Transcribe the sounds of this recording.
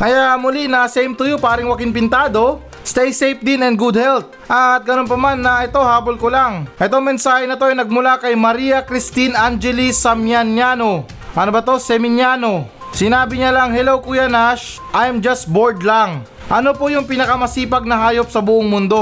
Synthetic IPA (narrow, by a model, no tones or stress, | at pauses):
ʔɐjamʊlinɐsɛjmt̪ʊjopaːɾɪŋwɐkɪŋpɪnt̪aːd̪o̞ | st̪ɛjsejp̚d̪ɪnɛnd̪ɡud̪̚hɛlt̪̚ʔɐt̪̚ɡɐno̞npɐmanːɐʔɛt̪o̞haːbolkolaŋʔɛt̪o̞ŋmɛnsaːhɛnɐt̪o̞ɐjnɐɡ̚mʊlakɐjmɐɾiːɐkɾɪst̪inʔand͡ʒɛlisɐmjanjaːno̞ | ʔɐnobɐt̪o̞sɛmɪnjaːno̞ | sɪnaːbɪɲalɐŋhɛlowkʊjanaʃ | ʔajmd͡ʒɐst̪̚boɹd̪lɐŋ | ʔɐnopojʊŋpɪnɐkɐmɐsiːpɐɡ̚nɐɦaːjo̞p̚sɐbʊʔoŋmʊnd̪o̞